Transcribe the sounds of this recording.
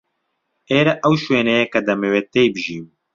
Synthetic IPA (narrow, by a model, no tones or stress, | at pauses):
eːɾɛʔɐwʃweːnɛjɛkɐd̪ɐmeweːt̪eːjbɨʒiːmu